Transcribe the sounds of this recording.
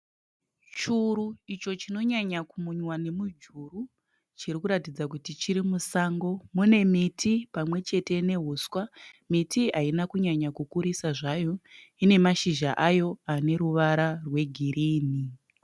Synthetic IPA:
t͡ʃuɾuit͡ʃo̞t͡ʃino̞ɲaɲakumuɲwane̞mud͡ʒuru | t͡ʃiɾikuɾatid͡zakutit͡ʃiɾimusaːŋɡo̞mune̞mitʰipamwe̞t͡ʃe̞te̞ne̞ɦuswamitʰiainakuɲaɲakukuɾisaʐajo̞ine̞maʃiʒaʔajo̞ane̞ɾuʋaɾarwe̞ɡʱiɾiːni

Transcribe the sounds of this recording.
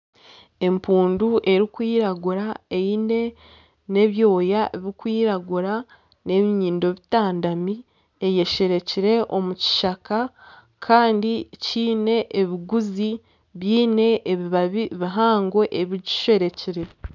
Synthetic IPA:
e̞mpuːnduʔe̞ɾikwiːɾaɡuɾaejine̞ | ne̞βjo̞ːjaeβiikwiːɾaɡuɾa | ne̞βiɲiːndo̞βitaːndami | eje̞ʃe̞ɾe̞ciɾe̞ʔo̞muci̥ʃaka | kʰaːndiciːne̞ʔːβiɡuzi | βiːne̞ʔːβiβaβiβiɦaːŋɡo̞ʔeβiɟi̥ʃe̞ɾe̞ciɾe̞

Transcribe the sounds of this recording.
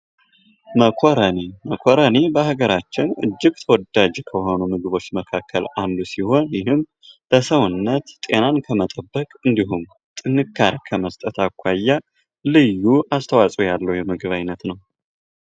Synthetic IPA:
məkʰoɾəneməkʰoɾənebəhaɡəɾat͡ʃːɪnɨ̰d͡ʒːɪɡt̪ʰəwɔd̪ad͡ʒkʰəho̞numɨɡɨβo̞t͡ʃːməkʰakʰːəland̪usiho̞njɪɦɨm | b̥əsəwɨnːət̪t̪ʼe̞nankʰəmət̪ʼəbːəkʼɨnd̪iɦum | t̪ʼɨnːɨkʰːaɾkʰəməst̪ʼət̪akʷːajːa | lɨjːuʔast̪ʰəwasʼujalːəwjɛmɨɡɨβajnːət̪nəw

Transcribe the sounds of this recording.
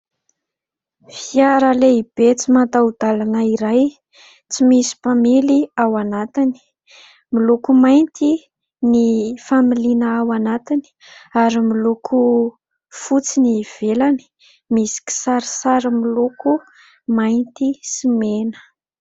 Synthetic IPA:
fiaɾəleib̥et͡simat̪aud̪alanəiɾaj | t͡simisi̥pamiliawanat̪ini̥ | milukumajnt̪i | nifamilinaawanat̪ini̥ | aɾimilukʰu | fut͡siniv̥elani̥ | misi̥ki̥saɾisaɾəmiluku | majnt̪isimenə̥

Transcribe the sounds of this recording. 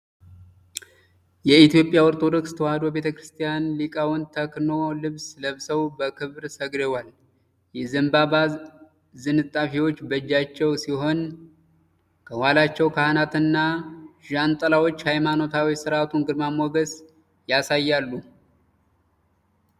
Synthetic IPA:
jɛit̪jo̞pʼːjawɔɾt̪ʼod̪okst̪ʰəwad̪o̞be̞t̪ʰəkɾɨst̪ʰijanlikʼawɨnt̪ʰəkno̞lɨβsləβsəwbəkʰɨβɾsəɡɾewal | jɛzɨmbaβa | zɨnɨt̪ʼːafiwo̞t͡ʃːbəd͡ʒːat͡ʃːɛwsiɦo̞n | kʰəwalat͡ʃːɛwkʰahnat̪ʰɨnːaʒant̪ʼəlawo̞t͡ʃːhajmano̞t̪ʰawisɨɾʔat̪ʰunɡɨd̪mamoɡəs | jasajːalːu

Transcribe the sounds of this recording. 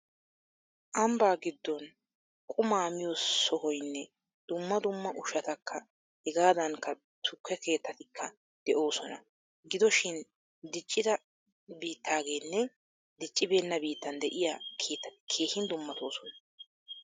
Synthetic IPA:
ʔɐmbaːɡɪd̪ːɔn | kʼʊmaːmɪjosɔɦɔjnːɛ | d̪̥ʊmːɐd̪ʊmːɐʔʊʃɐt̪ɐkʰːɐ | hɛɡaːd̪ɐŋkːɐ | t̪ʰʊkːɛke̞ːt̪ːɐt̪ɪkʰːɐ | d̪̥ɛʔo̞ːsɔnɐ̰ | ɡɪd̪ɔʃɪn | d̪ɪt͡ʃʼːɪd̪ɐ | biːt̪ʰːaːɡe̞ːnːɛ | d̪ɪt͡ʃʼːɪbe̞ːnːɐbiːt̪ːɐnd̪ɛʔɪjakʰeːt̪ːɐt̪ɪ̥kʰe̞ːhɪnd̪ʊmːɐt̪o̞ːsɔnɐ

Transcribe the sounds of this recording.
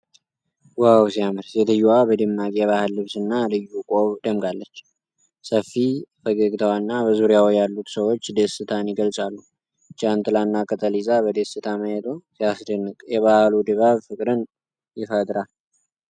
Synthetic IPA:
wawsijamɨɾsjɛd̪ɨjuwabəd̪ɨmːakʼijɛβahɨlːɨβsɨnːalɨjːukʼoβd̪əmɡalːət͡ʃː | səfːifəɡəɡt̪ʰəwanːabəzuɾjawjalːut̪səwo̞t͡ʃːd̪esɨt̪ʰanjɪɡəlsʼalːu | t͡ʃʼant̪ʼɨlanːakʼət̪ʼəlizabəd̪esɨt̪ʰaməjɛt̪ʼosijasd̪ənːɨkʼjɛβahlud̪ɨβaβfɨkʼɾɨn | jɪfəd̪ʼɾal

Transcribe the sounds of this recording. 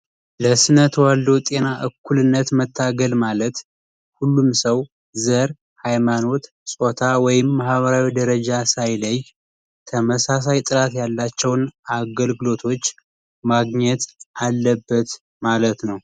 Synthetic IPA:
ləsɨnət̪ʰwald̪o̞t̪ʼe̞naʔɨkːulɨnːət̪mət̪ʰːaɡəlmalət̪ | hulːumsəw | zəɾ | hajmano̞t̪ | sʼot̪ʰawɔjɪmːahβəɾawid̪əɾəd͡ʒasajləj | t̪ʰəməsas̬ajt̪ʼɨɾat̪jalːat͡ʃːɛwnaɡəlɡɨlo̞t̪ʰo̞t͡ʃː | maɡɲɛt̪ʔalːəbːət̪ | malət̪nəw

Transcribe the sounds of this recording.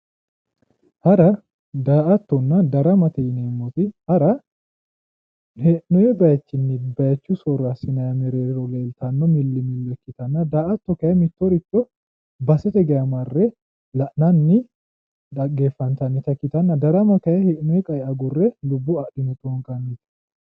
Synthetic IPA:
hɐɾɐ | d̪aːʔɐt̪ːɔnːɐd̪ɐɾɐmɐt̪ɛɪneːmːɔt̪ɪhɐɾɐ | hɛʔnɔjɛbɐjɐt͡ʃːɪnːɪbɐjɐt͡ʃːusɔɾːɐsɪnɐjɐmɛɾeːɾɾɔleːlt̪ɐnːɔmɪlːɪmɪlːɔkːɪt̪ɐnːɐd̪aːʔɐt̪ːɔkɐjɐmɪt̪ːɔɾɪt̪ːɔ | bɐsɛt̪ɛɡɐjɐmɐrːɛ | lɐʔnɐnːɪ | ᶑɐɡeːfːɐnt̪ɐnːɪt̪ɐkːɪt̪ɐnːɐd̪ɐɾɐmɐkɐjɐhɛʔnɔjɛkʼɐjɛɐɡʊrːɛlʊbːɔɐʔɗɪnɔt̪ʼoŋkʼɐnːɪt̪

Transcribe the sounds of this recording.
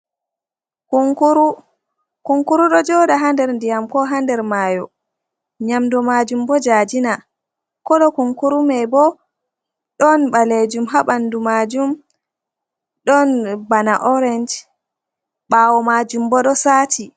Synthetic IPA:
kuuɾ | kuŋkuɾuɗɔd͡ʒɔɗaɦandɛɾndijamkɔɦandɛɾmajɔ | ɲamdɔmad͡ʒumbɔd͡ʒad͡ʒina | kɔɗɔkuŋkuɾumɛbɔ | ɗɔnɓaled͡ʒumɦaɓandumad͡ʒum | ɗɔnbanaʔɔɾɛnd͡ʒ | ɓaːwɔmad͡ʒumbɔɗɔsaːtʰi

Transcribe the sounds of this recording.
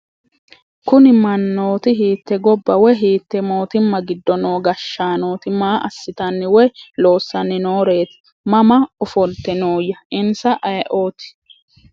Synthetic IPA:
kʊnɪmɐnːoːt̪ɪɦiːt̪ːɛɡɔbːɐwɔjɦiːt̪ːɛmo̞ːt̪ɪmːɐɡɪd̪ːɔno̞ːɡɐʃːaːno̞ːt̪ɪmaːʔɐsːɪt̪ɐnːɪwɔjlo̞ːsːɐnːɪno̞ːɾe̞ːt̪ɪ̥ | mɐmɐɔfɔlt̪ːɛnoːjːɐʔɪnsɐʔɐjʔo̞ːt̪ɪ̥

